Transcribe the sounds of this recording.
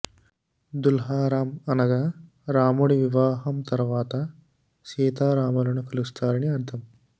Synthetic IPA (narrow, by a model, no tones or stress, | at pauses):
d̪ulɦaːɾaːmɐnɐɡaː | ɾaːmuːɽiʋiʋaːɦɐmt̪ɐɾʋaːt̪ɐ | siːt̪aːɾaːmɐlɐnukɐlust̪ʰaːɾɐniɐɾt̪ʰɐm